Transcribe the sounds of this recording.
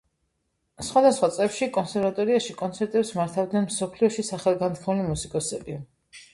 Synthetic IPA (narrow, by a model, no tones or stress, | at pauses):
sχwad̪asχwat̪sʼɛfʃikʼɔnsɛɾvat̪ʼɔɾiaʃikʼɔnt̪sʰɛɾt̪ʼɛpsmaɾt̪ʰavd̪nɛnmsɔpʰliɔʃisaχɛlˠɡant̪kʰmulimusikʼɔsɛbi